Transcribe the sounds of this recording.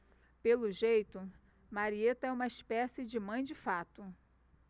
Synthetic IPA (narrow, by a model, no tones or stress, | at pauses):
pelʊʒejt̪ʊ | maɾiet̪ɐɛũmɐispɛsɪd͡ʒɪmɐ̃j̃d͡ʒɪfat̪ʊ